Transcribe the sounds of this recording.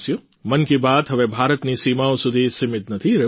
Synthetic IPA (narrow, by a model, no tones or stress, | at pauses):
sijo | mɐnkibaːt̪ɦɐʋebʱaːɾət̪nisiːmaːõsʊd̪ʱisɪmɪt̪nɐt̪ʰiɾe